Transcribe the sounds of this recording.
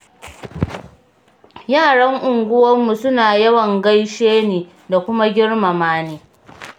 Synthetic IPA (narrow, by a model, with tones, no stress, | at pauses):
jaː˦˨ɽɐ˦ŋʔʊ˨ŋɡʷʊ˦wɐ˦mːu˨sʊ˦naː˨jɐ˦wɐ˨ŋɡɐ˦jʃeː˦neː˨ | da˨kʷʊ˦ma˦ɡʲɪ˦ɽmɐ˨maː˦neː˦